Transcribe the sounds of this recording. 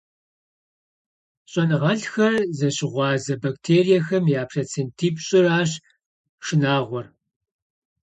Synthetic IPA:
ɕʼɐnʁɐɬxɐrzɐɕɪʁʷɑːzɐbɐk̚tʰeːrijɛxɐmjaːpʰrɐt͡sʰentʰiːpɕʼɪraːɕ | ʂɪnaːʁʷɔr

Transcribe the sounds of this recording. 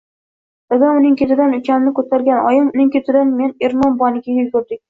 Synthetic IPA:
d̪aɡ̪ʲanʊnɪŋkʲet̪ʰɪd̪anʊt͡ʃʰanɪnɪkʰɵt̪ʰaɾɡʲanɒjɪmʊnɪŋkʲet̪ʰɪd̪anme̞ne̞ɾmɒnbɒnɪkʲajʲʊlʲɡʲʊɾd̪ɪkʲ

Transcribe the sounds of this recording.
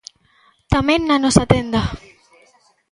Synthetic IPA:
t̪amẽnːanɔsat̪end̪a

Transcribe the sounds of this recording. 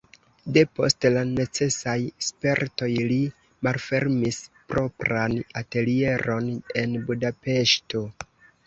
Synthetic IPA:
de̞po̞̰stlane̞t͡se̞sajspe̞ɾto̞jli | malfe̞ɾmispɾo̞pɾanate̞lie̞ɾo̞ne̞nbudape̞ʃto̞

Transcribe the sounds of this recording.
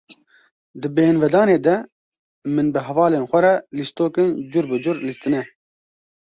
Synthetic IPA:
d̪ɨbɛhɪnvɛd̪ɑːneːd̪ɛ | mɨnbɨɦɛvɑːleːnxʷɛɾɛlist̪oːkɨnd͡ʒuɾbɨd͡ʒʊɾlist̪ɨnɛ

